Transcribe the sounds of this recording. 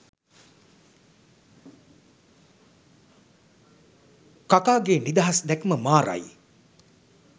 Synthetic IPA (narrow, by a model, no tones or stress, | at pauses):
kakaːɡeːnid̪aɦasd̪ækməmaːɾa̰j